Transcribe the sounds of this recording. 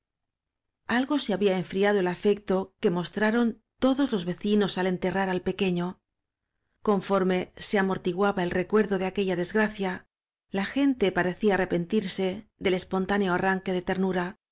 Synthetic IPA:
alɣo̞se̞aβiaeɱfɾiað̞o̞e̞lafe̞kt̪o̞ke̞mo̞st̪ɾaɾo̞n | t̪o̞ðo̞zlo̞zβe̞θino̞sale̞nt̪e̞raɾalpe̞ke̞ɲo̞ | ko̞ɱfo̞ɾme̞se̞amo̞ɾt̪iɣwaβae̞lre̞kwe̞ɾðo̞ðe̞ake̞ʎaðe̞zɣɾaθja | laxe̞nt̪e̞paɾe̞θiaːre̞pe̞nt̪iɾse̞ðe̞le̞spo̞nt̪aneo̞araŋke̞ðe̞t̪e̞ɾnuɾa

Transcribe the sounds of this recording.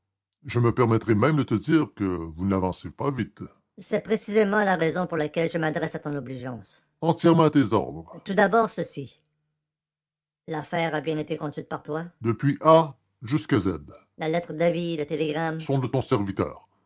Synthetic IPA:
ʒəməpɛʁmɛt̪ʁɛmɛ̃md̪ət̪əd̪iːʁkəvunavɑ̃sepavit̪ | sɛpʁesizemɑ̃laʁɛzɔ̃puʁlakʲɛlʒəmad̪ʁɛsat̪ɔ̃nɔbliʒɑ̃ːs | ɑ̃t̪jɛʁmɑ̃at̪ezɔ̰ʁd̪ʁt̪ud̪abɔːʁsəsi | lafɛːʁabjɛ̃net̪ekɔ̃d̪ɥit̪̚paʁt̪wad̪əpɥiʔa | ʒyskazɛd̪ | lalɛt̪χəd̪avilət̪eleɡʁamsɔ̃d̪ət̪ɔ̃sɛʁvit̪œ̰ːʁ

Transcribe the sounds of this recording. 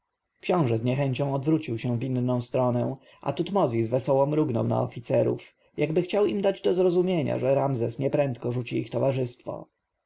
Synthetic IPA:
kɕɔ̃w̃ʐɛzɲɛxɛɲt͡ɕɔ̃w̃ɔd̪vɾut͡ɕiwɕɛ̃vʲinːɔ̃w̃st̪ɾɔnɛw̃ | ʔa̰t̪ut̪mɔzʲizvɛsɔwɔ̃mɾuɡnɔ̰wna̰ɔfʲit̪sɛɾṵf | jaɡbɘxt͡ɕawimd̪ad͡ʑd̪ɔzɾɔzumʲjeɲa̰ʐɛɾamzɛsɲɛpɾɛnt̪kɔʐut͡ɕiixt̪ɔvaʐɘst̪fɔ̰

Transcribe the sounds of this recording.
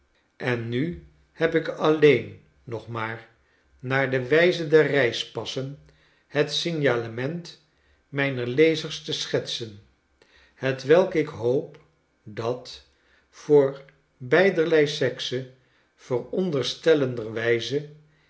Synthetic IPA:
ʔɛnːy | hɛpɪkɑlejnː | ɔχmaːɹ | naːɹdəʋɛjzəndɛɹrɛjspɑsən | hətsɪnjaːləmɛnt | mɛjnəɹlejzəɹstəsχɛtsən | hətʋɛlˠkɪkɦowp | dɑt | fʊːɹ | bɛjdəɹlɛjsɛksə | v̥ərɔndəɹstɛləndəɹʋɛjzə

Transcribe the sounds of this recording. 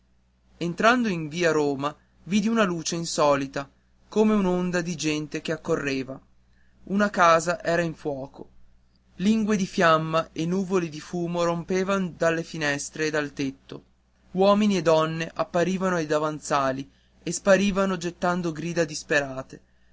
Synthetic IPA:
ent̪ɾand̪oiɱviːaɾoːma | viːd̪iunaluːt͡ʃeinsɔːlit̪a | koːmeunond̪ad̪id͡ʒɛnt̪ek̟eakːorːeːva | unakaːzaʔɛːɾaiɱfwɔːko | liŋɡwed̪ifjamːaenːuːvolid̪ifuːmoɾompeːvand̪alːefinɛst̪ɾeːd̪alt̪et̪ːo̰ | wɔːminied̪ɔnːeʔapːaɾiːvanoajd̪avant̪saːli | espaɾiːvanod͡ʒet̪ːand̪oɡɾiːd̪ad̪ispeɾaːt̪e

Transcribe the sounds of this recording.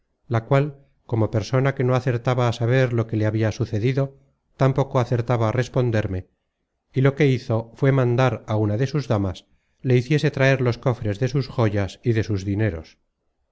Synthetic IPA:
lakwal | ko̞mo̞pe̞ɾso̞nake̞no̞aθe̞ɾt̪aβaːsaβ̞e̞ɾlo̞ke̞leaβiasuθe̞ðiðo̞ | t̪ampo̞ko̞aθe̞ɾt̪aβaːre̞spo̞nd̪e̞ɾme̞ | ilo̞ke̞iθo̞fwe̞mãnd̪aɾaunaðe̞suzðamas | le̞iθje̞se̞t̪ɾae̞ɾlo̞sko̞fɾe̞zðe̞susxo̞ʝasiðe̞suzðine̞ɾo̞̰s

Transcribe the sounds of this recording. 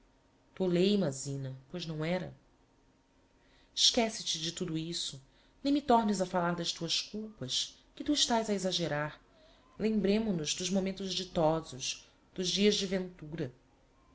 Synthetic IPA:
t̪olejmazĩnɐpojznɐ̃w̃ɛɾɐ̰ | ɪʃkɛsɪt͡ʃɪd͡ʒɪt̪ud̪uisʊ | nẽj̃mit̪ɔɾnɪzɐfalaɾd̪ɐʃt̪uɐskuwpɐs | kɪt̪uiʃt̪ajzɐezaʒeɾaɾ | lẽmbɾẽmʊnʊzd̪ʊʒmomẽnt̪ʊʒd͡ʒit̪ɔzʊʃ | d̪̥ʊʒd͡ʒiɐzd͡ʒɪvẽnt̪uɾɐ

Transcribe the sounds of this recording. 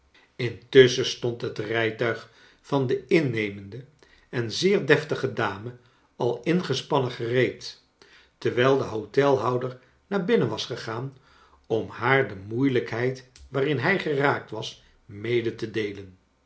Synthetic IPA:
ɪntɵsəstɔntɦətrɛjtœɥχ | fɑndəɪnːejməndə | ɛnzɪːɹdɛftəχədaːmə | ɑlˠɪnχəspɑnəχərejt | təɹʋɛjlˠdəɦotɛlˠɦɑwdəɹ | naːɹbɪnənʋɑsχəχaːn | ɔmhaːɹdəmujləkɦɛjtʋaːrɪnɦɛjχəraːk̚tʋɑs | mejdətədejlən

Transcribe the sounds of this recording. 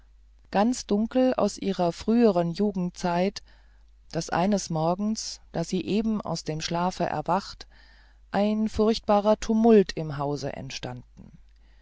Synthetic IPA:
ɡ̥ant͡sd̥ʊŋkl̩a̰ʊsʔiːʁɐfʁ̥yːəʁ̞ənjuːɡŋ̩tt͡saɪt | d̥asʔa̰ɪnəsmɔɐɡŋ̩sd̥aːziːʔeːbm̩a̰ʊsd̥eːmʃlaːfəʔɛ̰ɐvaχt | ʔaɪnfʊɐçt̚b̥aːʁɐtʰumʊltʰɪmɦaʊzə̰ʔɛ̰ntʃtand̥n̩

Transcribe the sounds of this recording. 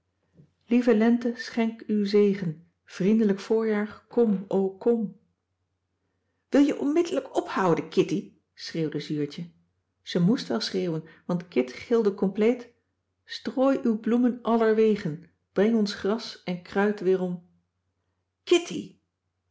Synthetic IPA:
livəlɛntəsχɛŋkywzejχən | v̥rindələkfʊːɹjaːɹkɔmowkɔm | ʋɪlˠjəʔɔnmɪdələkɔphɑwdəkʰɪti | sreːwdəzyːɹtə | z̥əmustʋɛlˠsreːwənʋɑntkɪtχɪlˠdəkɔmplejt | stroːjʔywblumənʔɑləɹʋejχən | b̥rɛŋɔnsχrɑsɛnkrœɥtʋɪːrɔm | kɪtḭ

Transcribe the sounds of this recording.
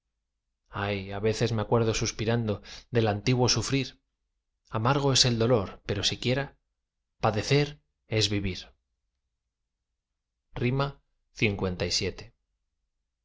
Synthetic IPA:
ajaβe̞θe̞zmeakwe̞ɾð̞o̞suspiɾand̪o̞d̪e̞lant̪iɣwo̞sufɾiɾ | amaɾɣ̞o̞e̞se̞ld̪o̞lo̞ɾpe̞ɾo̞sikje̞ɾa | paðe̞θe̞ɾ | e̞zβiβiɾ | rima | θiŋkwe̞nt̪ajsje̞t̪e̞̥

